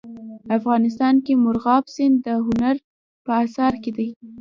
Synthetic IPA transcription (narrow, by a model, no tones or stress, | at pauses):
afɣɑnɪs̬t̪ɑnkemʊɾɣɑbsɪnd̪əɦʊnaɾ | pəasɑɾked̪aj